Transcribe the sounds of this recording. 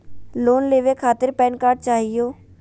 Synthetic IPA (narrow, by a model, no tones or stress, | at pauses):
loːnleːʋekʰaːt̪ɪɾpɛːnkaːɾɖt͡ʃaːɦijoː